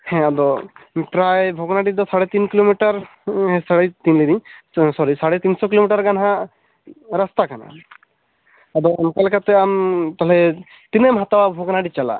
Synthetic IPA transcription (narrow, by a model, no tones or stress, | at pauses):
hɛ̃ad̪ɔpɾajbʱɔɡnaɖid̪ɔsaɽɛt̪inkilomiʈaɾ | ɦɛ̃saɽɛt̪inlinisɔɾisaɽɛt̪insɔkilomiʈaɾɡanɦa | ɾast̪akana̰ | ad̪ɔamkalkat̪ɛamt̪alɛ | t̪inemɦat̪awabʱɔɡnaɖit͡ʃala̰